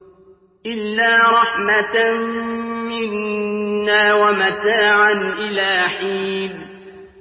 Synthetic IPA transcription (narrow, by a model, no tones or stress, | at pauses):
ʔɪlːaːɾˤɑħmat̪ | mɪnː | aːwamat̪aːʕanʔɪlaːħiːb